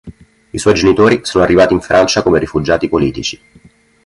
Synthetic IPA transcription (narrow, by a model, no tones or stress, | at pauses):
iswɔjd͡ʒenit̪oːɾisoːnoarːivaːt̪iɱfɾʔant͡ʃakomeɾifud͡ʒaːt̪ipoliːt̪it͡ʃi̥